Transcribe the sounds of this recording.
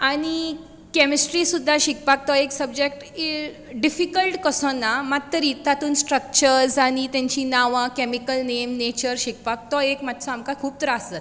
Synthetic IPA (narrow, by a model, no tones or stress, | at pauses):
aɽ̃i | kɛmisʈɾisud̪ʱːaɕik̚pak̚t̪ɔeksəbd͡ʑek̚ʈi | ɖifikəlʈkəsɔnːamat̪ːəɾiːt̪at̪uːnsʈɾək̚t͡ɕəɾsaɽ̃it̪jãɲt͡ɕinaʋãkɛmikəlnemnet͡ɕəɾɕik̚pak̚t̪ɔekmat̪ʰːt͡sɔamkakʰuːp̚t̪əɾəasət̪